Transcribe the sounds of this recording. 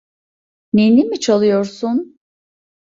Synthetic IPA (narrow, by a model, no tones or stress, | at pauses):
nenimit͡ʃʰalˠɯjoɾsun